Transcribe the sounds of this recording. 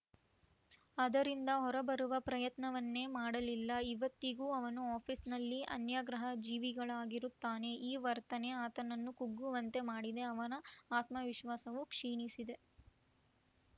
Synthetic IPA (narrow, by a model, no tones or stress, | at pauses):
ɐd̪ɐɾind̪ɐɦɔɾɐbɐɾuʋɐpɾɐjɐt̪nɐʋɐnːe̞ːmaːɽɐlilːɐiʋɐt̪ːiɡuːɐʋɐnuaːpʰisnɐlːiɐ̰njaːɡɾɐɦɐd͡ʒiːʋiɡɐɭaːɡiɾut̪ːaːne̞ʔiːʋɐɾt̪ɐne̞aːt̪ɐnɐnːukuɡːuʋɐnt̪e̞maːɽid̪e̞ɐʋɐnɐaːt̪mɐʋiʃʋaːsɐʋukʂiːnisid̪e̞